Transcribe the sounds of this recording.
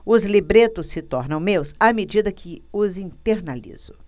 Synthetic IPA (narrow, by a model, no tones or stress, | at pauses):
ʊzlibɾet̪ʊsːɪt̪ɔɾnɐ̃w̃mewsamed͡ʒid̪ɐkʰɪʊzĩnt̪eɾnalḭz̥ʊ